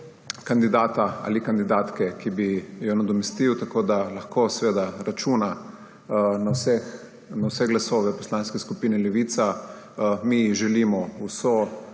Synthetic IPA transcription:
kand̪id̪aːt̪aa̰ːlikand̪id̪aːt̪kɛkibijɔnad̪ɔmɛst̪iwt̪akoːd̪alaxkoːsʋeːd̪aɾat͡ʃuːna | nawsɛx | nawsɛɡlasɔːʋɛpɔ̥slaːnskɛskupiːnɛlɛʋiːt̪sa | miʒɛliːmɔusɔ

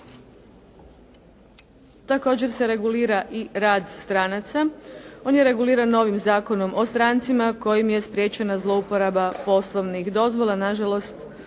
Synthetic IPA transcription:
t̪ako̞ːd͡ʑe̞ɾseɾe̞ɡuliːɾaʔiɾaːd̪st̪ɾaːnat̪sao̞ːnjeɾe̞ɡuliːɾanːo̞ʋimzaːko̞no̞mo̞st̪ɾaːnt̪simako̞jimje̞spɾje̞ːt͡ɕe̞nazlˠo̞upo̞ɾabapo̞slˠoʋnixd̪o̞zʋo̞lˠanaʒalˠo̞st̪

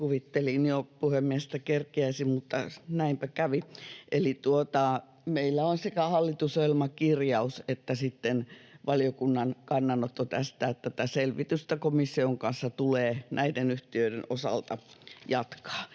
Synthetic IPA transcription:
kuʋit̪ːelinjopuhemːiæst̪ækerkiæisimmut̪ːɑnæimpækæʋiʔelit̪uot̪ɑ | meilːæonsikæhɑlːit̪usoelmɑkirjɑuset̪ːæsit̪ːenʋɑliokunːɑnkɑnːɑnot̪ːot̪æst̪æet̪ːæt̪æselʋit̪yst̪ækomisːioŋkɑnsːɑt̪uleːnʔæitenyht̪iøidḛnosɑ̰lt̪ɑjɑt̪kɑ̥ː

